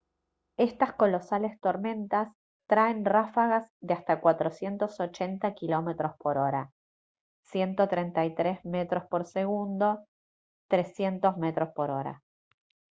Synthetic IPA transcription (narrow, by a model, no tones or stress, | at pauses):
e̞st̪asko̞lo̞sale̞st̪o̞ɾmẽ̞nt̪as | t̪ɾaenrafaɣazðeast̪akwat̪ɾosje̞nt̪o̞so̞t͡ʃent̪akilo̞met̪ɾo̞spo̞ɾo̞ɾa | sje̞nt̪o̞t̪ɾent̪ajt̪ɾezmet̪ɾospoɾseɣund̪o̞ | t̪ɾe̞sje̞nt̪o̞zme̞t̪ɾo̞spo̞ɾo̞ɾa̰